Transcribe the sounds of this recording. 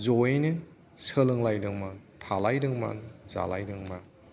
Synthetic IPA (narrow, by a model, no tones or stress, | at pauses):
zɔjnɯ | səlɯŋlajdɯŋmatʰalajdɯŋma̰nza̰la̰jdɯŋma